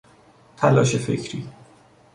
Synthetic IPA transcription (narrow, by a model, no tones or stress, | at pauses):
t̪ʰælɒːʃe̞fḛcʰɾḭː